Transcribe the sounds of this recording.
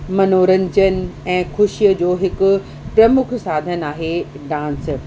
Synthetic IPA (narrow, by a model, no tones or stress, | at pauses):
mɐnoːɾə̃ɲd͡ʑənɪ̆ɛ̃ːxʊʃijəd͡ʑoːɦɪkʊ̆ | pɾɐmʊkʰsaːd̪ʱənaːɦe | ɖãːns